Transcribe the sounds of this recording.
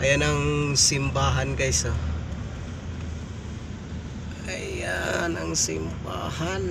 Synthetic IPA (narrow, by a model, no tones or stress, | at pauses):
ʔajanaŋsɪmbaːɦankajso | ajanaŋsɪ̰mba̰han